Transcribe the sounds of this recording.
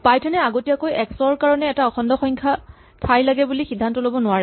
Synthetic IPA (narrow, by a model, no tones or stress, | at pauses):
pajtʰɛnɛaɡotiakojɛksɔɹkaɹɔnɛːtaɔxɔndɔxɔɲkʰa | tʰajlaɡɛbulixidʱːantɔlobɔnʊwaɹɛ